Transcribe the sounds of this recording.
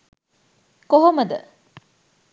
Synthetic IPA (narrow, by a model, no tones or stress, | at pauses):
koɦomɐd̪ɐ̰